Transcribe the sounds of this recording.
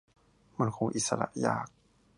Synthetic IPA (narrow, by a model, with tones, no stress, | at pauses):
ma˧˩nkʰo˧˦ŋʔi˨t̪̚sa˧ɾa̰˧ʔjaː˧˩k̚